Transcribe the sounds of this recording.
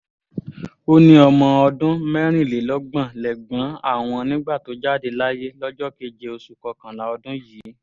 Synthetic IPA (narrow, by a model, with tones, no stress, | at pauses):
o˧nĩ˧ɔ˧mɔ̃˧ɔ˧dũ˦mɛ˦ɾ̃ĩ˦˨le˨˦lɔ˨˦ɡ͡bã˦˨lɛ˨ɡ͡bã˨˦a̰˦˨w̃ɔ̃˧nĩ˦ɡ͡ba˦˨to˨˦d͡ʒa˦˨de˧la˦je˦lɔ˦d͡ʒɔ˦ke˦d͡ʒe˧o˧su˨kɔ˧kã˨la˨˦ɔ˧dũ˦jiː˨˦